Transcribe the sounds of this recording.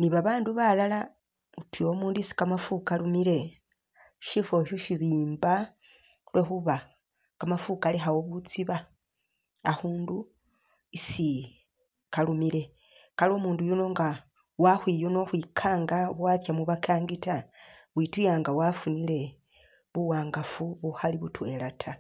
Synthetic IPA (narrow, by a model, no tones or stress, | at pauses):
niβaβaːnduβalala | utwio̞muːnduisi̥kamafukalumiɾe̞ | ʃifo̞ʃoʃiβiːmba | lwexuβa | kamafukaleɦawo̞βut͡siβa | ahuːndu | isi | kalumile̞ | kalo̞muːndujuno̞ŋɡa | wahwiːjuno̞xwikʰaːŋɡaβwaːtjamuβakʰaːŋɡitaβwitujaːŋɡawafunile̞ | βuwaːŋɡafuβuhaliβutwe̞latʰa